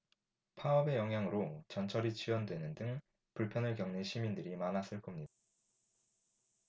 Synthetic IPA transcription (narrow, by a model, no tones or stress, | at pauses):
pʰaʌbe̞jʌŋɦjaŋɯɾot͡ɕʌnt͡ɕʰʌɾit͡ɕʰiwʌndwe̞nɯndɯŋ | puɭpʰjʌnɯɭkjʌŋneɕʰimindɯɾimanas͈ɯɭk͈ʌmɲida